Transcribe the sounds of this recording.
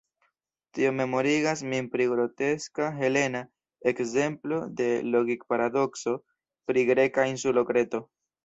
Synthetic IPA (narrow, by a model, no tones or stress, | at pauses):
tiome̞mo̞ɾiɡasmimpɾiɡɾo̞te̞skaɦe̞le̞na | e̞kze̞mplo̞de̞lo̞ɡik̚paɾado̞kso̞ | pɾiɡɾe̞kainsulo̞kɾe̞to̞